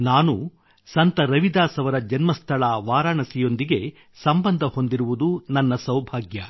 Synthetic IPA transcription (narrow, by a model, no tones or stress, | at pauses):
naːnu | sɐnt̪ɐɾɐʋid̪aːsɐʋɐɾɐd͡ʒɐnmɐst̪ʰɐɭaʋaːɾaːɳɐsijo̞nd̪iɡe̞ | sɐmbɐnd̪ʱɐho̞nd̪iɾuʋud̪unɐnːɐsɐwbʱaːɡjɐ